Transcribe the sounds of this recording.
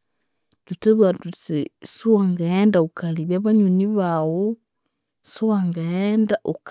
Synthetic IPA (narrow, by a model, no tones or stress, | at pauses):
tuteβwatutisuwaŋɡaendaukaliβjaβaɲuniβawo | suwaŋɡajendaʔuk